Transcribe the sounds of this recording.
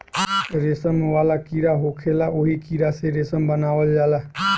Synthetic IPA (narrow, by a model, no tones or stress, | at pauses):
ɾɪsəmʋaːlaːkiːɾaːɦoːkʰeːlaːʔoɦiːkiːɾaːseːɾɪsəmbənaːʋəld͡ʒaːlaː